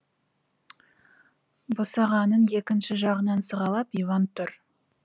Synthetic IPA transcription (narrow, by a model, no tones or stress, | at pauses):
bosɑʁɑnənje̞kʲɪnʃɪʒɑʁənɑnsəʁɑlˠɑpijvɑnt̪ʰʊɾ